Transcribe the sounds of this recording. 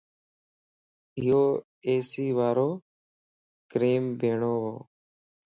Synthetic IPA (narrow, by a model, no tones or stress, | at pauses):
ɪjoː | eːsiːʋaːɾoː | kɾeːmbʱeːɳoːɦo̰ː